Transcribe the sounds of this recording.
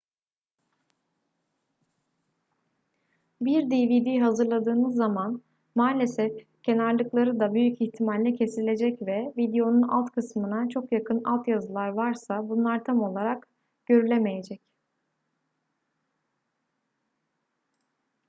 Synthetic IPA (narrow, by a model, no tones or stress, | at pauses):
biɾd̪ivid̪iɦazɯɾlˠad̪ɯːnɯzːaman | maːlʲe̞sɛf | cʰe̞naɾlˠɯklˠaɾɯd̪abyjyciçt̪ʰimalʲːɛcʰe̞silʲe̞d͡ʒɛcvɛvid̪ejo̞nunalˠt̪kʰɯsmɯnat͡ʃʰo̞kjakʰɯna̰lˠt̪jazɯlˠaɾvaɾsabunlˠaɾt̪ʰamo̞lˠaɾak | ɟ̥ø̞ɾylʲeme̞je̞d͡ʒɛc